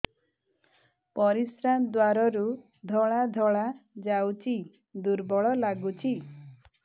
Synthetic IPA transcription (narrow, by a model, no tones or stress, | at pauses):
pɔɾisɾand̪waɾɔɾu | d̪ʱɔɭad̪ʱɔɭad͡ʒawt͡ʃʰi | d̪uɾbɔɭɔlaɡut͡ʃʰi